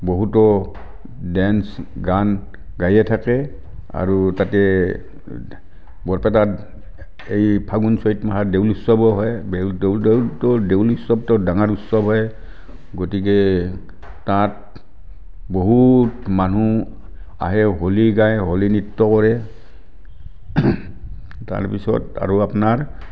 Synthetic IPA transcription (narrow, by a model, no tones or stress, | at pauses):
boɦutɔ | dɛnsɡan | ɡajɛtʰakɛ | a̰ɹutatɛ | bɔɹpɛt̬at | ejpʰaɡunsɔitmaɦadeulusɔbɔɦɔjbɛddetɔdewlusɔb̚tɔdaŋaɹutsɔbɦɔj | ɡotik̬ɛ | tat | boɦutmanu | a̰ɦɛɦoliɡajɦolinitːɔkɔɹɛ | ta̰ɹpisɔ̰ta̰ɹuapnaɹ